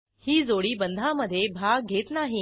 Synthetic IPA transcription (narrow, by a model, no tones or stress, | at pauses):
hiːd͡zoɽiːbənd̪ʱaməd̪ʱːjebʱaɡ̚ɡʱet̪naɦi